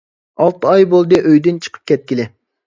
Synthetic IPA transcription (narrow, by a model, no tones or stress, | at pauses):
ɑlˠt̪ɨɑjbolˠd̪ɨʔøjd̪ɨnt͡ʃʰə̥qʰə̥p̚kʲʰɛt̪̚kʲilɪ